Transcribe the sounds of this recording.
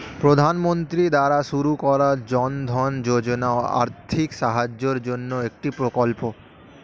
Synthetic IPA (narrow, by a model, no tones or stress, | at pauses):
pɾod̪ʱanmont̪ɾid̪aɾaʃuɾukɔɾad͡ʑɔnd̪ʱɔnd͡ʑod͡ʑonaoa̰ɾt̪ʰikʃaɦad͡ʑːoɾd͡ʑonːoek̚ʈipɾokolpo